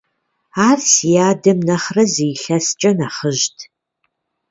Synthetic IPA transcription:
aːrsijaːdɨmnɐχrɐzijɬɐst͡ʃʼɐnaːχəʒtʰ

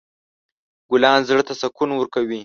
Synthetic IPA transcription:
ɡ̥ʊlɑːnzɽt̪asakʰunwəɾkawi

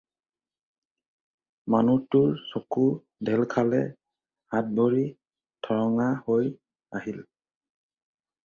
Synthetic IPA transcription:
manutuɹsɔku | dʱɛlkʰalɛ | hat̚boɹi | tʰɔɹɔŋahoj | ahil

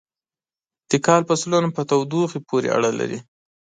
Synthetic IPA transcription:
d̪̥əkɑlpəsulanpət̪awd̪uxipʰoɾḛa̰ɽala̰ɾḭ

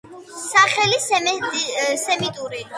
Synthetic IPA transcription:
saχɛlis | sɛmit̪ʼuɾi

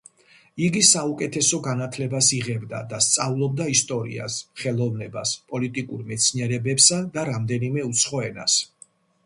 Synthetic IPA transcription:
iɡisaukʼɛt̪ʰɛsɔɡanat̪ʰlɛbasiʁɛbd̪a̰d̪ast̪sʼavlˠɔb̚d̪aist̪ʼɔɾḭa̰sχɛlˠɔvnɛbaspʼɔlit̪ʼikʼuɾmɛt̪sʰniɛɾɛbɛpsad̪aɾamd̪ɛnimɛut̪sʰχɔɛna̰s

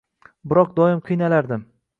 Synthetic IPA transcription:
bɪɾɒq̚d̪ɒɪmqʰɨjnalaɾd̪ɪm

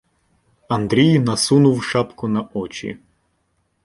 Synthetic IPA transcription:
ɐnd̪ɾʲijnɐsunʊwʃɑpkʊnɐɔt͡ʃʲḭ

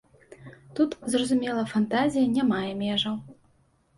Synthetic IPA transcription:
t̪ut̪zrɐzumʲɛlˠɐfant̪azʲijɐnʲamajɛmʲɛʐɐw

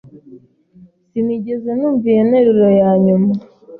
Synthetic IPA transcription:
siniɟeze̞nuːɱvijeneɾiɾo̞jaːɲuma

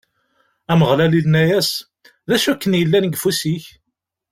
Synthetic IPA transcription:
æməʁlælilnæjæs | ðæʃækːənjəlːænɡfusiç

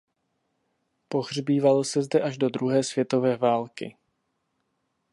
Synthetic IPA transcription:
po̞ɣr̝biːvalo̞sɛzdɛʔaʒdo̞d̪ɾuɦɛːsvjɛt̪o̞vɛːvaːlkɪ̰

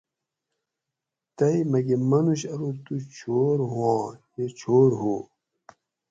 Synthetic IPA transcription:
t̪ɐimɐɡemɐnuɕɐɾot̪ut͡ɕʰoːɾɦuãːmet͡ɕʰoːɾɦoː

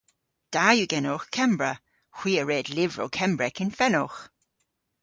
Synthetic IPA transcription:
d̥ajuɡɛnʊxkʰɛmbɹə | xwiːəɹeːdlɪvɹo̰wkʰɛmbɹɛkʰɪnfɛnɔx

